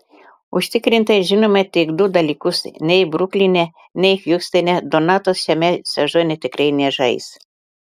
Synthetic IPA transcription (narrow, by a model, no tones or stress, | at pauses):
ʊʃʲt̪ʲɪkɾʲɪnʲt̪ɐʒʲɪnomɐt̪ʲɪɡd̪ʊd̪ɐlʲiːkʊsnʲɛɪbɾʊklʲinʲɛ | nʲɛɪxjuksʲt̪ʲɐnʲɛd̪ɔnɑt̪osʃʲɛmʲɛsʲɛʒonʲɛt̪ʲɪkɾɐɪnʲɛʒɐɪ̰s